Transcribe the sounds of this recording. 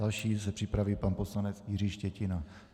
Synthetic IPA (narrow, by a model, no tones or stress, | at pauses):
alʃiːs̬ɛpr̥ɪpɾaviːpanpo̞slanɛt͡sjɪriːʃcɛcɪna